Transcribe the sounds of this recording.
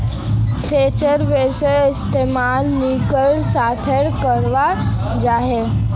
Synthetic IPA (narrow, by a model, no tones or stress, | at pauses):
fʰet͡ɕəɾʋesəist̪emalnikəɭsat̪ʰeɽkəɾʋad͡ʑaɦe